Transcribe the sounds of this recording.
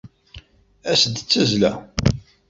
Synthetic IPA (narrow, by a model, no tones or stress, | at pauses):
æsd̪ət͡sːæzlæ